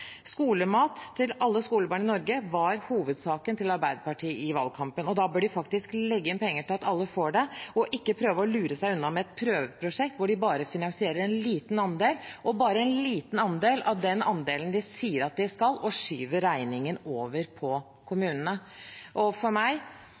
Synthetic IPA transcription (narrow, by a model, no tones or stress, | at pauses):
skuːləmɑːt̪ʰːɪlɑlːəskuːləbɑːɳəɪnɔɾɡəʋɑɾhuːʋəd̪sɑːkənt̪ɪlɑɾbæɪd̪əpɑʈʰiːɪʋɑ̰lkʰɑmpənɔd̪ɑbøːɖɪfɑk̚t̪ɪsklɛɡːəɪnpʰɛŋːəʈɪlɑt̪ɑlːəfoːɖɛɔʔɪkːəpʰɾøːʋəɔlʉːɾəsæɪʉnːɑmɛɛt̪̚pʰɾøːʋəpʰɾʊʂɛkt̪ʋʊɖɪbɑːɾəfɪnɑnsɪeːɾəɾɛnliːt̪n̩ɑnd̪eːlʔɔbɑːɾəɛnliːt̪n̩ɑnd̪eːlʔɑʋd̪ɛnɑnd̪eːlənd̪ɪsiːəɾɑt̪̚d̪ɪskɑlɔʂyːʋəɾæɪnɪŋənoːʋəɾpʰɔ | kʰʊmʉːnənəʔɔfɔɾmæɪ